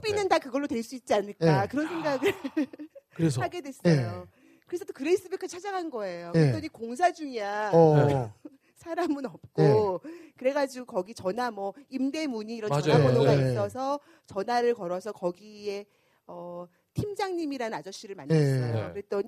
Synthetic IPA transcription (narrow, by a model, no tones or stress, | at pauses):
binːɯndakɯɡʌɭːotwe̞ɭs͈uit̚t͡ɕ͈iaɲɯɭkakɯɾʌnsʰe̞ŋɡaɡɯ | kɯɾesʰhaɡe̞dwes͈ʌjo | kɯɾesʰʌt͈okɯɾeis͈ɯbukʰat͡ɕʰad͡ʑaŋɦanɡʌe̞jokɾet͈ʌnɲikoŋs̬ʰad͡ʑuŋia | sʰaɾamɯnʌp̚k͈okɯɾe̞ɡad͡ʑiɡokʌɡit͡ɕʌnamwʌimde̞muɲiːɾʌaaonoɡais͈ʌsʰʌ | t͡ɕʌnaɾɯɭkʌɾʌsʰʌkʌɡie | ʌ | tʰimd͡ʑaŋɲimiɾaɯnad͡ʑʌɕ͈iɾɯɭmanas͈ʌjokɯɾet͈ʌɲi